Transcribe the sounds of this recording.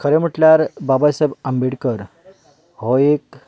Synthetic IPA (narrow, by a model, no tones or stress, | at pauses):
kʰəɾɛm̤əʈljaɾbabajsajbəmbiɽkəɾ | ɦoek̚